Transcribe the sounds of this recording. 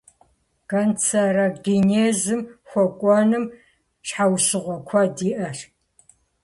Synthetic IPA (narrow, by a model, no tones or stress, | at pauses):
ɡɐnt͡sʰɐrɐɡʲineːzɨmxʷɔkʷʼɔnɨm | ʂħawsɨʁʷɔkʷʰɐdiːʔɐr